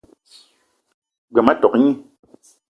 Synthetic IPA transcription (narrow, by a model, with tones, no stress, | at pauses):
ɡ͡bɛ˨ma˦tɔ˨kɲi˦˨